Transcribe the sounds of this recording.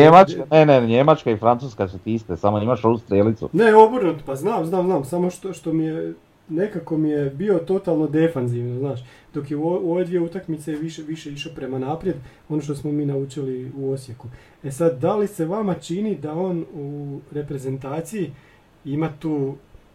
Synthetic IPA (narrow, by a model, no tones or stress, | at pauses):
ɲemakaneneɲemat͡ʃkaifɾant̪uːskasut̪iist̪esamoimaʃoust̪ɾelit̪sṵne̞o̞boɾnut̪paznaːmznaːmznaːmsamo̞ʃt̪oʃt̪o̞mije̞ | ne̞kako̞mijebio̞t̪o̞t̪alˠno̞d̪e̞fanziʋnoznaːʃ | d̪o̞kjeoʋe̞d̪ʋije̞ut̪akmit̪sejʋiʃeʋiʃe̞iʃopɾe̞manaːpɾje̞d̪ | o̞no̞ʃt̪o̞smo̞miːnaut͡ʃiliuo̞sje̞ku | e̞sad̪d̪alise̞ʋamat͡ʃinid̪ao̞ːnuɾe̞pɾe̞ze̞nt̪aːt̪siji | imat̪uː